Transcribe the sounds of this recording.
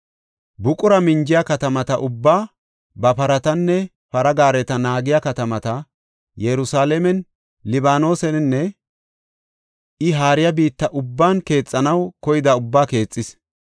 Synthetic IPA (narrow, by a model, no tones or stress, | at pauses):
bʊkʼʊɾɐmɪnd͡ʒɪjɐkɐt̪ɐmɐt̪ɐʔʊbːaː | bɐpɐɾɐt̪ɐnːɛ | pɐɾɐɡaːɾɛt̪ɐnaːɡɪjakɐt̪ɐmɐt̪ɐ | jɛɾʊsaːlɛmɛn | lɪbaːno̞ːsɛnnːɛ | ɪɦaːɾɪjɐbiːt̪ːɐʔʊbːaːnke̞ːt͡sʼːɐnɐwkɔjɪd̪ɐʊbːaːke̞ːt͡sʼːɪs